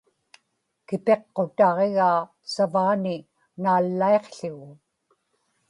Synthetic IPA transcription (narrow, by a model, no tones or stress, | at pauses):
kɪpeqːo̞t̪ɑʁe̞ɣaː | savaːnɪ | naːlːae̞qɬʊɣʊ